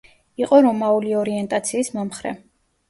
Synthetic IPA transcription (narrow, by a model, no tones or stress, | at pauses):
iqʼɔɾɔmauliɔɾiɛnt̪ʼat̪sʰiːsmamχɾɛ̰